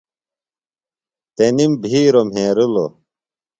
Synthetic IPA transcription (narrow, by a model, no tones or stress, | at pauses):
t̪enimbʱiːɾom̤ɦẽːɾulo